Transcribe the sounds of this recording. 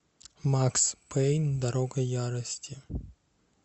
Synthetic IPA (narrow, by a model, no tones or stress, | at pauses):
makspʰɛjnʲd̪ɐɾoɡɐjaɾɐsʲtʲɪ